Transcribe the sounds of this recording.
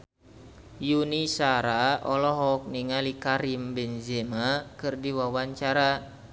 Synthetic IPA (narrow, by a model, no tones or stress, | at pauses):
junisaɾaɔlɔɦɔk̚niŋalikaɾimbɛnzɛmakɨrdiwawaɲt͡ʃaɾa